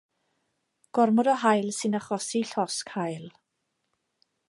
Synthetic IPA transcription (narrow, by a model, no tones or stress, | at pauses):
ɡ̥ɔrmɔdɔɦajlˠsɨnaχɔsiɬɔskhajlˠ